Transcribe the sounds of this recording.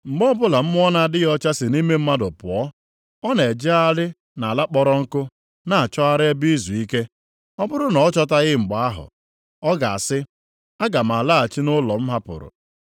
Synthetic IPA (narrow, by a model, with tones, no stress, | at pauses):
ŋ͡m̩˨ɡ͡bɔ˦bʊ˦la˨m̩˦mʊ˦ɔ˦na˦˨dɪ˦ɣɔ˦t͡ʃa˦sɪ˨ni˦me˦m̩˦ma˦dʊ˨pʊ˨ɔ˦ | ɔ˦ne˨d͡ʒe˦a˦lɪ˦ | na˨la˦k͡pɔ˦ɾɔ˦ŋ̩˦kʊ˦ | na˦˨a˨t͡ʃɔ˦a˦ɾɪ˦e˦bi˦zu˨i˦ke˦ | ɔ˦bʊ˦ɾʊ˦nɔ˨˦t͡ʃɔ˦ta˦ɣɪ˦ŋ͡m̩˨ɡ͡ba˨a˦ɦʊ̰˨ | ɔ˦ɡa˨a̰˨sɪ˦ | a˦ɡa˨m̩˨a˨la˦a˨t͡ʃi˦nʊ˦lɔ˨m̩˦ɦa˦pʊ̰˨ɾʊ̰˨